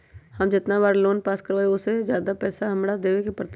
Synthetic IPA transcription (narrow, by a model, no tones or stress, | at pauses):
hɐmd͡ʒɪt̪nabaːɾloːnpaːskəɾʋaːeosezjaːd̪apɛːsaɦɐmɽad̪eːʋekepɾət̪